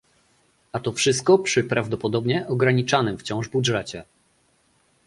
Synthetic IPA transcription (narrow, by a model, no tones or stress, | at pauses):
at̪ɔfʂɘst̪̚kɔpʂɘpɾavd̪ɔpɔd̪ɔbɲɛʔɔɡɾaɲit͡ʂanɘmft͡ɕɔ̃w̃ʐbudʐɛt͡ɕɛ